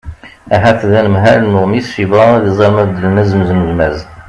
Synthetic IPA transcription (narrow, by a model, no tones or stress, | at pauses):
æɦæθðænəmɦælnʊʁmiθʃivɑðizˤɑlmæd̪əlnæzməzməzmæz